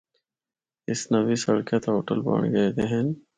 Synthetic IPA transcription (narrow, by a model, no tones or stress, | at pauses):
ɪsnɐʋisɐɽkjat̪aɦo̰ːʈə̰lbɐ̰ːɳɡɐed̪eɦɛːn